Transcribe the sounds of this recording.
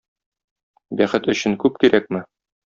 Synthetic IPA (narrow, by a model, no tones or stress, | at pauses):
bæχɘt̪ɵ̆ɕɘŋkʉp̚kiɾæk̚mɘ